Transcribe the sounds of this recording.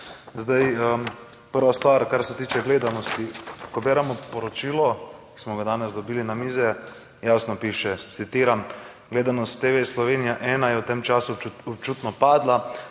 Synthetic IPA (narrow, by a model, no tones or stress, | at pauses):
zd̪ajə | pəɾʋast̪ʋaːɾkaɾsɛt̪iːt͡ʃɛɡleːd̪anɔst̪ikɔbɛːɾɛmɔpɔɾɔt͡ʃiːlɔki̥smɔɡad̪aːnɛzd̪ɔbiːlinamiːzɛ | jasnɔpiːʃɛt̪sit̪iːɾam | ɡleːd̪anɔst̪ːeʋeslɔʋeːnijaʔɛːnajɛwt̪emt͡ʃaːsuɔp̚t͡ʃuːt̪nɔpaːd̪la